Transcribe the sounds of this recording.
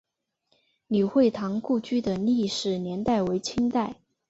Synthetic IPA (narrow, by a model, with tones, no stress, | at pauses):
ny˨˩xwe˥˩ɪt̪ʰɑ˧˥ŋku˥˧t͡ɕy˥d̪ə˨li˥˩ʂɻ̩˨˩njɛ˧˥nt̪a˥˩ɪwe˧˥ɪt͡ɕʰi˥ŋt̪a˥˩ɪ